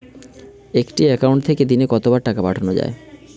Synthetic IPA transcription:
ekʈiɛkawɳʈ̚t̪ʰeked̪inekɔt̪obaɾʈakapaʈʰanod͡ʑa̰e

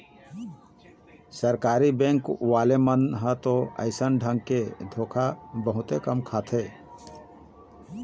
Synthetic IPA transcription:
səɾkaːɾibẽŋkwalemənɦət̪oə̰ɪsənɖʱə̃ŋɡ̚ked̪ʱokʰabəɦʊt̪ekəmkʰat̪ʰe

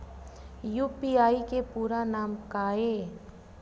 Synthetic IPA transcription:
juːpiaːikepuːɾanaːmkaːe

